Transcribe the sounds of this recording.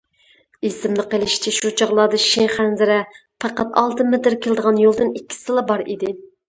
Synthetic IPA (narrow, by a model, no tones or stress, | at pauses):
isɪmnɨqəlˠɪʃt͡ʃʰɛʃut͡ʃʰɑʁlˠɑd̪ɨʃeχænzɪɾɛpʰɑqɑt̪ɑlˠt̪ʰɨmet̪ɪɾkʲʰelˠɨd̪əʁɑnjolˠd̪ɨnikʲːi̥sɨlˠɑbɑɾid̪ɪ